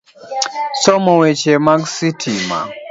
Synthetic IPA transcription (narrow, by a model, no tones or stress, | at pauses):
sɔmɔwɛt͡ʃɛmaksitʰima̰